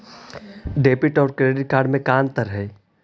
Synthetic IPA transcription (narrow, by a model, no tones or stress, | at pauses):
ɖeːpɪʈɔːɾkɾeːɖɪʈ̚kaːɾɖmẽkaːnt̪əɾɦɛː